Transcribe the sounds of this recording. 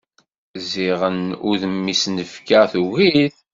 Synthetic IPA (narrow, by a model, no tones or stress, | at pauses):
ziʁənuðəmːisnəfkaθuɣiθ